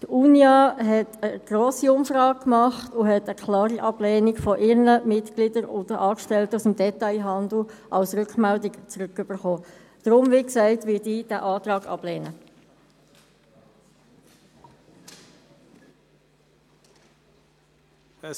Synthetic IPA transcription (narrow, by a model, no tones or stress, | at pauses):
tunjɑɦɛtəɡ̥ɾoːsiʊmfrɑːk̚kmɑχtʊɦɛtəkʰlɑːɾiʔɑb̥lɛːnikfɔʔɪɾnəmɪtɡ̥lɪdəɾʊd̥̪əʔɑːkʃtɛltəusmd̥ɛtɑɪɦɑnd̪l̩ʔɑlsɾʏkχmældɪkt͡sɾʏkʏb̥əɾχoː | d̥ɾʊmʋɪksɛɪtʋɪdiːd̥æːʔɑːt̪ɾɑːɡ̥ɑ̰b̥lɛːnə